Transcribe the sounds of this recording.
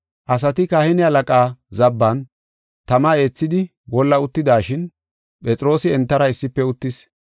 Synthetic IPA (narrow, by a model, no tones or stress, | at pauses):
ʔɐs̬ɐt̪ɪkahɛnɪɐlɐkʼaːzɐbːɐn | t̪ɐmɐe̞ːt͡sːɪd̪ɪ | wɔlːɐʊt̪ːɪd̪aːʃɪn | pʼɛt͡sʼɾo̞ːsɪɛnt̪ːɐɾɐɪsːɪpːɛʊt̪ːɪs